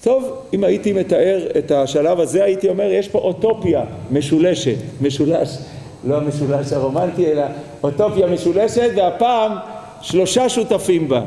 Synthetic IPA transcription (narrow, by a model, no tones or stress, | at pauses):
t̪o̞vimait̪ime̞t̪aʔe̞ʁe̞t̪aʃalavaze̞ajit̪io̞me̞ʁje̞ʃpo̞ʔot̪o̞pjame̞ʃule̞ʃet̪me̞ʃulaʃ | lo̞hame̞ʃulaʃhaʁo̞mant̪iela | ot̪o̞pjame̞ʃule̞ʃe̞t̪veapaːm | ʃlo̞ʃaʃut̪afimba